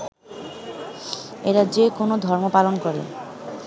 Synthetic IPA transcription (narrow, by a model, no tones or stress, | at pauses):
eɾadd͡ʑekonod̪ʱɔɾmopalonkɔɾḛ